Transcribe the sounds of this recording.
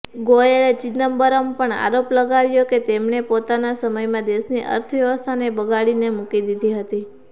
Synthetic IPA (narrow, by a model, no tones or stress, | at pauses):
ɡojeɾet͡ʃit̪nəmbəɾəmpəɳa̰ɾopləɡaɾjoket̪emnepot̪anasəməjmãd̪eʃniʔə̰ɾt̪ʰəʋjəʋəst̪ʰanebəɡaɭinemukid̪id̪ʱiɦət̪i